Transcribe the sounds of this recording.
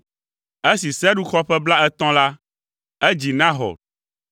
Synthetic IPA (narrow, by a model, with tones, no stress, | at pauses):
e˦si˨sɛ˦ɖu˦xɔ˦ɸɛ˦bla˦ɛ˦t̪ɔ̃˦la˦ | ɛ˦d͡ʑi˨nã˦ɦɔ̰˨